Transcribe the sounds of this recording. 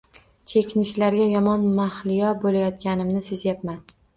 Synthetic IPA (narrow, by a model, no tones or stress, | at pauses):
t͡ʃʰe̞kʲɪnɪʃlaɾɡʲajɒmɒnmaχlɪjɒbolajɒt̪̚kʲanɪmnɪsezjapman